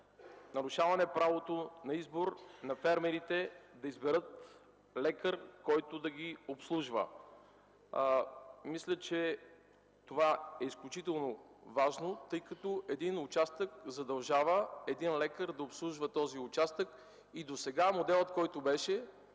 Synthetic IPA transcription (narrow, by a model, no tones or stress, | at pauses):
nɐɾʊʃavɐnɛpɾavot̪onɐizboɾnɐfɛɾmɛɾit̪ɛd̪ɐizbɛɾɤt̪ | lɛkəɾkɔjt̪ʊd̪ɐɡʲiopslˠuʒvə̰ | mislʲət͡ʃɛ | t̪ovaɛisklʲuʊt͡ʃit̪ɛlˠnovaʒnot̪ɤjkɐt̪ɔʔɛd̪inʊt͡ʃast̪əkzɐd̪ɐlˠʒavəɛd̪inlɛkəɾd̪ɐopslˠuʒvət̪ɔziʊt͡ʃast̪ək | id̪osɛɡamod̪ɛlˠət̪̚kɔjt̪ʊbɛʃɛ